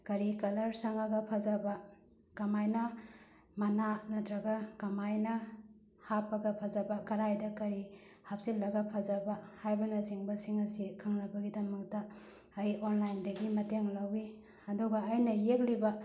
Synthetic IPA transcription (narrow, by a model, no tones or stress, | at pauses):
kɐɾikɐlɐɾsaŋɐɡɐpʰazɐbɐ | kɐmajnɐ | mɐnanɐtɾɐɡɐkɐmajnɐ | hapːɐɡɐpʰɐzɐbɐkɐɾajdɐkɐɾi | hap̚silːɐɡɐpʰazɐbɐhajbɐnɐziŋbɐsiŋɐsikʰaŋɾɐbɐɡidɐmɐk̚tɐː | jonlajndɐɡimɐteŋlawi | ɐduɡɐːjnɐjek̚libɐ